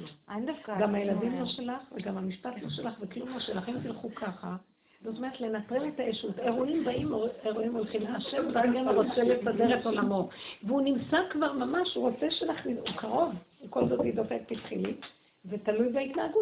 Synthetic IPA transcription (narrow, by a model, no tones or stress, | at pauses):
dafkɡamhaje̞ladimlo̞ʃe̞laχveɡamhamiʃpatlo̞ʃe̞laχveklumloʃelaχimtilχukʰaχa | z̥oto̞meet̪le̞nat̪ʁeme̞taeʃute̞ʁuimbaimoeʁuimo̞lχimaʃevdaɡenʁot͡selesadeʁeto̞lamo̞tveunimsakvaʁmamaʃuʁo̞t͡seʃelaχniukaʁo̞vko̞lzo̞tidofek̚pitχilim | ve̞talujbeitnaːɡut